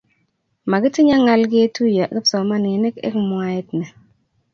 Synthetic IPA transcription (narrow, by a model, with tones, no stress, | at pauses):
ma˨ɡɪ˦tɪ˦ɲa˦ŋa˦lɡɪ˦e˦tu˦ja˨ɡɪ˦psɔ˨ma˦ne˨nɛ˦kɛ̰˦kmʊ˨a˨ɛ˦tnɛ˨